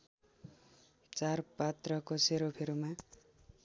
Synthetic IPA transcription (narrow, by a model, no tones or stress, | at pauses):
t͡sarpat̪rʌkoseɾopʰeɾuma